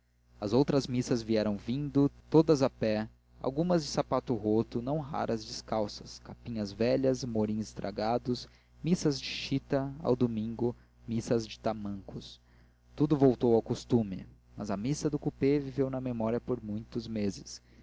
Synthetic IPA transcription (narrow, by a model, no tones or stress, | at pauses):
ɐzowt̪ɾɐzmisɐzviɛɾɐ̃w̃vĩnd̪ʊt̪od̪ɐzɐpɛ | a̰wɡũmɐzd͡ʒɪsapat̪ʊɦot̪ʊnɐ̃w̃ɦa̰ɾʔɐzd͡ʒɪskawsɐskapĩɲɐzvɛʎɐzmoɾĩɲʊst̪ɾʔa̰ɡad̪ʊs | misɐzd͡ʒɪʃit̪ɐa̰wd̪omĩŋɡʊ | misɐzd͡ʒɪ̥t̪amɐ̃ŋkʊs | t̪ud̪ʊvowt̪owawkust̪ũmɪ̰ | mɐ̰zɐmisɐd̪ʊkupevivewnɐmemɔɾiɐpoɾmũj̃t̪ʊzmezɪs